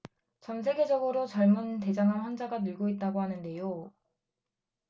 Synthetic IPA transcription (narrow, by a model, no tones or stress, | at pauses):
t͡ɕʌnsʰe̞ɡe̞d͡ʑʌɡɯɾot͡ɕʌɭmunte̞d͡ʑaŋɦanɸwand͡ʑaɡanɯɭɡoit̚t͈aɡoɦanɯnde̞jo